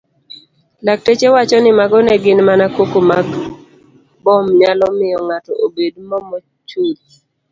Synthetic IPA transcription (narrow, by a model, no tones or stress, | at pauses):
lak̚tet͡ʃewat͡ʃɔnɪmaɡɔnɛɡɪnmanakokomaɡ | bɔmɲalɔmɪjɔŋatɔ̰ʔobedmɔmɔ | t͡ʃuli